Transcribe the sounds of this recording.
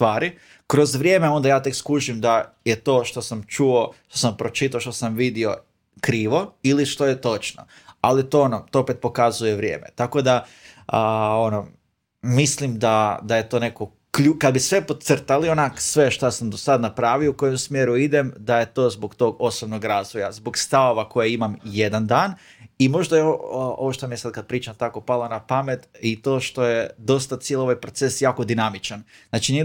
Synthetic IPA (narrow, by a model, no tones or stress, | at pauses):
st̪ʋaːɾi | kɾo̞zʋɾʲje̞ːmeo̞nd̪ajaːt̪e̞kskuʒimd̪aje̞t̪o̞ːʃt̪o̞samt͡ʃuo̞ʃt̪o̞sampɾo̞t͡ʃit̪̬aoʃt̪o̞samʋid̪io̞ | kɾiːʋo̞iliʃt̪o̞je̞t̪o̞t͡ʃno̰ | alit̪oonot̪oopet̪̚po̞kazuje̞ʋɾje̞̰ːme̞̰t̪ako̞d̪a | əono | mislimd̪ad̪ajet̪o̞ːne̞ko | kʎukad̪̚bisʋe̞po̞srt̪alionaksʋe̞ʃt̪asamd̪osad̪napɾaːʋiouko̞jemsmjeɾuid̪e̞md̪aje̞t̪o̞ːzbokt̪o̞ːɡo̞sobno̞ɡɾazʋojazboɡst̪aʋoʋako̞jeimamje̞d̪and̪aːn | imo̞ʒd̪aeoo̰ʋoʃt̪omijesad̪̚kad̪̚pɾiːt͡ʃamt̪ako̞palˠanapamet̪it̪o̞ːʃt̪o̞je̞d̪o̞st̪at̪sjelˠo̞ʋajpɾo̞t̪se̞sjaːko̞d̪inamit͡ʃanznaːt͡ʃini